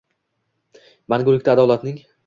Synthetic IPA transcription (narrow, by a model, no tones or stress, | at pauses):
maŋɡʲʊɾlɪkʲt̪aːd̪ɒlat̪nɪŋ